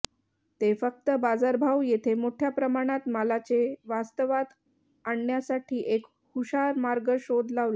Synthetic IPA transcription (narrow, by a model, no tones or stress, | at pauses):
t̪efək̚t̪əbad͡zaɾbʱawjet̪ʰemoʈʰjapɾəmaɽ̃at̪malat͡seʋast̪əʋad̪ | aɳːjasaʈʰiːʔek | huɕaɾmaɾɡəɕod̪ʱlaʋla